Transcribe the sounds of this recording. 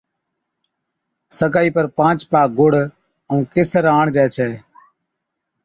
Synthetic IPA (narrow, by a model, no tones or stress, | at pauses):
səkaːiːpəɾpãːt͡ʃpaːɡoɽ̤ | əũːkeːsəɾaːɳd͡ʒaːt͡ʃʰɛː